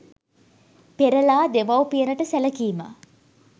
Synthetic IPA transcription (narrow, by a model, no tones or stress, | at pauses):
peɾəlaːd̪eʋɐwpijənəʈəsæləkiːmə̰